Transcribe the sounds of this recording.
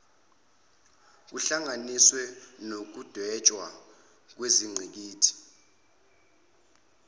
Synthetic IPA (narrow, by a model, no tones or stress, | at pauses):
k̬uɬaŋaniswɛnok̬ud̥ʱwɛt͡ʃʼwa | k̬weziŋ͡ǀʱik̬iːtʰi̥